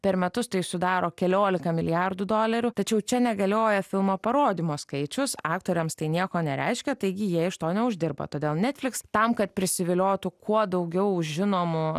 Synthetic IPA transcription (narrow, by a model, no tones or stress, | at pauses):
pʲɛɾmʲɛt̪ʊst̪ɐɪsʊd̪ɑːɾoːkʲɛlʲoːlʲɪkɐmʲɪlʲɪjɑrd̪ud̪oːlʲɛɾʲʊt̪ɐt͡ʃʲɛʊt͡ʃʲɛnʲɛɡɐlʲoːjɛfʲɪlˠmoːpɐɾoːd̪ʲimoːskɐɪt͡ʃʲʊsɑːk̚t̪oːɾʲɛmst̪ɐɪnʲiɛkoːnʲɛɾʲɛ̰ɪʃʲkʲɛt̪ɐɪɡʲɪjiɛɪʃt̪oːnʲɛʊʒʲd̪ʲɪrbɐ̰t̪oːd̪ʲeːlˠnʲɛt̪ʲfʲlʲɪkst̪ɐmkɐt̪̚pʲɾʲɪsʲɪʋʲɪlʲoːt̪ʊkʰuɔd̪ɐʊɡʲɛʊʊʒʲʒʲɪnoːmʊ